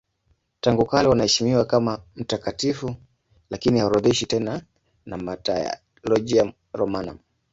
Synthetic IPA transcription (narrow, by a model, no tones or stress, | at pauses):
taŋɡukalɛwanahɛʃimiwakamam̩takatifu | lakinihauɾuðiʃitɛna | namataja̰ | lɔʄia | ɾɔmana̰m